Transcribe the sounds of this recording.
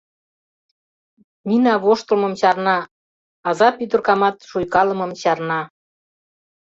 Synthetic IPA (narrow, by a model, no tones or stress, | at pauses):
minɑβoʃt̪əlmə̆mɕɑrnɑ | ɑzɑpyd̪ə̆rkɑmɑt̪ʃujkɑlə̆mɤmɕɑrnɑ